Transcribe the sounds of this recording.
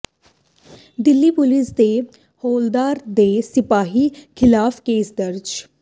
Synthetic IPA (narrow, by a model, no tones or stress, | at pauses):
d̪ɪlːiːpʊlɪsd̪eː | hoːld̪aːɾd̪eːsɪpaːɦiːkʰɪlaːpʰkeːsd̪əɾd͡ʒ